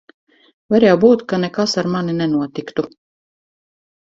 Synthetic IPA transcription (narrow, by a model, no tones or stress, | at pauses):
vaɾɛjawbuːt̪kanɛkasaɾmaninɛnuɔt̪ikt̪u